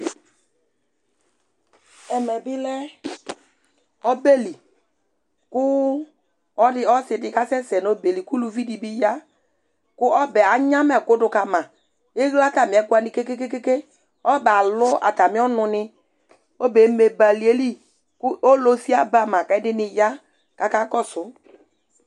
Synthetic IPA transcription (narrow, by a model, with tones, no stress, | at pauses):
ɛ˨mɛ˨bɪ˦lɛ˦ | ɔ˦be˦li˨ | kʊ˦ | ɔ˦dɪ˦ɔ˦sɪ˨dɪ˨ka˦sɛ˦sɛ˨n˨o˦be˨li˨ku˦lu˨vi˦di˨bi˦ja˦ | kʊ˦ʔɔ˦bɛ˨a˨ɲã˦mɛ˨kʊ˦dʊ˧ka˨mã˨ | e˦ɣla˦ta˨mɪ˨˦kwa˨nɪ˨ke˦ke˦ke˦ke˦ke˦ | ɔ˦bɛ˨a˨lʊ˦a̰˨ta˨mi˦ɔ˦nʊ˧nɪ˧ | o˦be˨me˨ba˨li˨e˦li˦ | kʊ˦o˦lo˦si˦a˦ba˨mã˨ka˨ɛ˦dɪ˦nɪ˧ja˦ | ka˦ka˦kɔ˦˨sʊ˨˦